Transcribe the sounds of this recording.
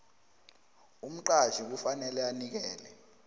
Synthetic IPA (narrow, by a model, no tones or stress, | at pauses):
um̩ǃaʒik̬ufanɛlɛanik̬ɛːlɛ